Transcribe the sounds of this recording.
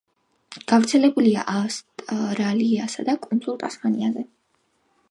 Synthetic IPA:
ɡ̥avɾt̪sʰɛlɛbulia̰ʔast̪ʼɾaliasad̪akʼunzʼulˠt̪ʼasmaniazɛ

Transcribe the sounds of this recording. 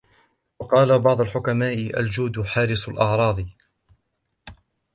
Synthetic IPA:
wɑqɑːlabɑʕd̪ˤʊlħʊkamaːʔɪʔa̰ld͡ʒuːd̪ħɑːɾɪsalʔɑʕɾˤɑːd̪ˤ

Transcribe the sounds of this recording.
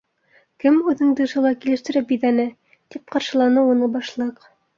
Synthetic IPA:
kɘmʉðɘ̆ŋd̪ɤ̆ʃɤ̆lˠɑkilɘ̆ʃt̪ɘ̆ɾɘpbiðænɘ | t̪ip̚qɑɾʃɤ̆lˠɑnɤunɤbɑʃlˠɤq

